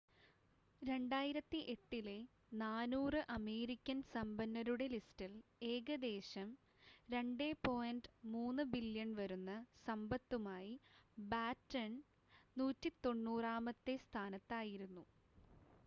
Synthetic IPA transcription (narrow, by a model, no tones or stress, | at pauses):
ɾe̞ɳɖaːjiɾɐt̪ːiʔe̞ʈːile̞ | naːnuːrɨʔɐme̞ːɾikʲːɐnsɐmbɐnːɐɾuɽe̞listile̞ːɡɐd̪e̞ːɕɐm | ɾe̞ɳɖe̞ːpo̞ːjɐndmuːnːɨbiljɐnʋɐɾunːɐsɐmbɐt̪ːumaːjibaːtːɐɳ | nuːtːit̪o̞ɳːuːraːmɐt̪ːe̞st̪ʰaːnɐt̪ːaːjiɾunːu